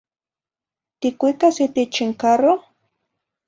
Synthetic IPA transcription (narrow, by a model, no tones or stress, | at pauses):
t̪ɪkʊjkasɪt̪ɪt͡ʃɪŋkaɾo